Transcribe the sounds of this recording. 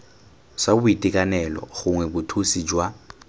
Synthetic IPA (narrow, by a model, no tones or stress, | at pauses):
sabʊitʼikʼanɛlɔ̰ɣʊŋwɛbʊtʰusid͡ʒwa